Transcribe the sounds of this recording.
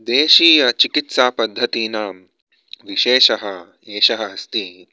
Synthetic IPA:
d̪eːʃiːjɐt͡ʃikit̪saːpɐd̪ʱːɐt̪iːnaː | ʋiʃeːʃɐɦɐ | eːʃɐɦɐɦɐst̪i

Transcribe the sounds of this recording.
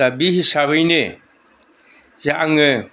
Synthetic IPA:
abihisaβɯjnɛ | zaʔaŋɛ

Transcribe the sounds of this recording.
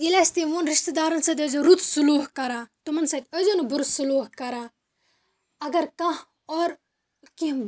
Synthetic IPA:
ilɐst̪iʋoːnɾiʃt̪d̪aːɾɐnsɐd̪ʲɐzoɾut̪suluːɦkɐɾaːt̪umɐnsɐt̪ʲɐzonubuɾut̪suluːɦkɐɾaː | ɐɡɐɾkɐɦ | ɔːɾ | ki

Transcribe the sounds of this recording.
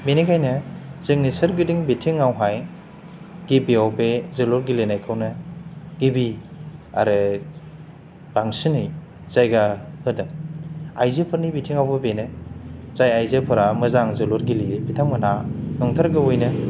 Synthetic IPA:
minikʰajnɯz̥ɯŋnisɯɾɡɯdiŋbitʰiŋːawɦaj | ɡ̥ibiawbezɯluɾɡilenajkʰawnɯɡ̥ibia̰ɾɯ | b̥aŋsinɯj | z̥ajɡahɯdɯŋajzepʰɯɾnibitʰiŋawbɯbenɯz̥ajajzepʰɯɾamɯzaŋzɯluɾɡiliepʰitʰaŋmɯnanɔŋtʰaɾɡɯojnɯ

